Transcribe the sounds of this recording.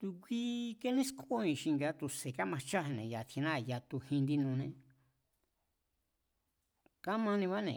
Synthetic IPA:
t̪u˧kʷi˧ke˦nĩ˦skʰo˦ĩ˧ʃi˧ŋɡa˧t̪u˧˨se˨ka˦mã˧t͡ʃa˦ɦẽ˧nḛ̃˨ja˨t̪ʰi˧nã˦˨ja˧t̪u˧hĩ˧nd̪i˧nũ˧nẽ˧ | ka˦mã˧nĩ˧βa˦nḛ̃˨

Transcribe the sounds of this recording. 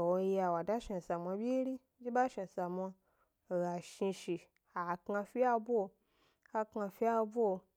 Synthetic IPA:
o˧ja˧wa˨da˦ʃa˧˨sa˨mʷ˧a˧bʲi˦ɾi˦d͡ʒi˦ba˦ʃi˧˨sa˨mʷ˧a˧˨ | ɣa˨ʃi˧ʃi˨ | a˨ka˧fi˦a˧bo˧ | ka˧ka˧fi˦a˧bo˦o˧˨

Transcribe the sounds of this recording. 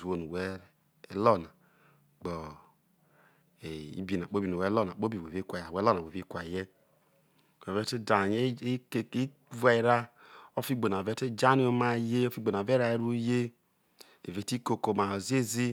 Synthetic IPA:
o˦nu˨wɛ˦ | ɛ˦lɔ˦˨na˨ | ɡ͡bɔ˨ | e˨ḭ˦bi˨na˨k͡po˦bi˨nu˨ɛ˨˦lɔ˦˨na˨k͡po˦bi˨we˨ve˦kʷa˨a˨wɛ˦lɔ˦na˨we˨vi˦kʷa˨jɛ˦˨ | wɛ˨vɛ˦te˦da˨ɲe˦˨i˦ | va˨i˨˦ɾa˦o˦fi˦ɡ͡bo˨n˨a˨vɛ˦te˦d͡ʒa˦ni˦o˦ma˦je˦o˦fi˦ɡ͡bo˨n˨a˨vɛ˦ɾa˨e˦ɾu˦je˦ | ḛ˨ve˨˦ti˦ko˨ko˨ma˨ɔ˨zi˦e˦zi˦

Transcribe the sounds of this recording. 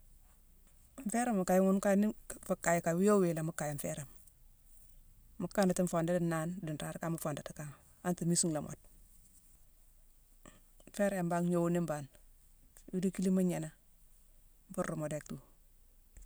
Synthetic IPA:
ɱfe˦ɾa˦ma˨ka˨jŋu˦nka˦ni˦fu˨kːa˨ji˨ka˨wi˦jo˦wi˨la˨mu˦kːa˨ji˨ɱ˨fɛ˦ɾa˨m | mu˦kːa˦na˨ti˦ɱ˦fo˨nda˦di˦na˦ndi˨nɾa˦ɾka˦ma˦fo˨nda˨ti˨ka˦ŋ | a˦nti˨mi˦si˦ŋla˨mʔo̰˨d̚ | ɱ˦fe˦ɾa˨mba˦ŋɲo˨wu˦ni˦mba˨n | wi˦di˦ki˦li˦ma˦ɲe˨na˦ | m˦fu˦ɾːu˨mo˨de˨k̚tu˦

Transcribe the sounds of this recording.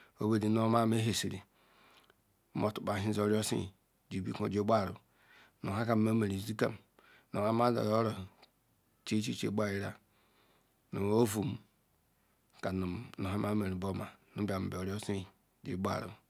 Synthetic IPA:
o˦be˦di˨n˦o˦ma˦m˦e˦ɦe˨si˨ɾḭ˨˦ | m˦o˨tu̥˨k͡pa˨ɦi˦zo˨ɾo˦sḭ˦˨ | d͡ʒi˨bi˦ko˨d͡ʒo˦ba˦˨ɾṵ˨ | no˨ɦa˦ka˨m˨˦ma˦me˨ɾi˨zi˦ka̰˦m˨ | no˨ha˦ma˦da̰˨jo˦ɾo˨ | t͡ʃe˦t͡ʃi˦t͡ʃḛ˦ba˦˨ji˦ɾa̰˨ | no˨o˦vu˨m˦ | ka˨nu˨no˨ɦa˦ma˦me˨ɾi˨bo˦ma˨nu˦ba˨m̩˨be˨o˨ɾjo˦si˦˨ | d͡ʒḭ˨˦ba̰˦˨ɾṵ˨

